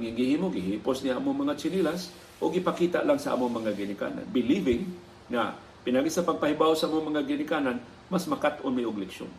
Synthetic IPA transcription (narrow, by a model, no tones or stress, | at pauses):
ŋɪŋɡɪhimoɡɪɦiposniʔaːmoŋmɐŋat͡ʃɪnilas | ʔoɡɪpakiːt̪a̰ʔlaŋsɐʔa̰ːmoŋmɐŋaɡɪnɪka̰ːna̰nbɪlivɪŋː | a̰ | pɪnaɡisɐpɐɡ̚pɐhɪbawsaʔamoŋmɐŋaɡɪnɪkaːnan | masmɐkat̪ʔʊnmajʔʊɡlɛkʃʊ̰n